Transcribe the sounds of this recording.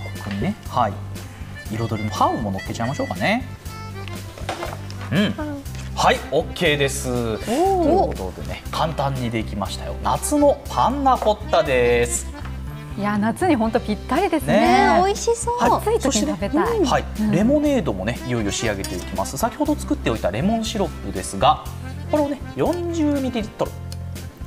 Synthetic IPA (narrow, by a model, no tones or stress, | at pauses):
kokɯ̟ɲinehai | iɾo̞d̪o̞ɾʲimo̞hãɯmo̞no̞kːe̞t͡ɕaimaɕo̞ːkane̞ | ɯ̃ɴhaio̞kʰːe̞ːd̪e̞sɨt̪okot̪o̞̰d̪e̞̰ne̞kʰãnt̪ãɲ̟ːid̪e̞kʲimaɕi̥t̪ajo̰nat͡sɨno̞pʰãnːako̞t̪ːad̪e̞sɨ̥ | janat͡sɨɲ̟iɦõnt̪opʲit̪ːaɾʲid̪esneoiɕisoːhaiso̞ɕit̪enabet̪ahaiɾe̞mo̞ne̞ːd̪o̞mo̞neijo̞io̞ɕiaɡe̞t̪e̞okʲima̰sɨ̥sakʲi̥ho̞d̪ot͡sɨ̥kɯ̟t̪ːe̞oit̪aɾe̞mõ̞ɕiɾo̞pːɯ̟d̪e̞sɨɡa | ko̞ɾe̞one̞jõ̞ɲd͡ʑɨːmʲid̪ʲiit̪ːoɾo̰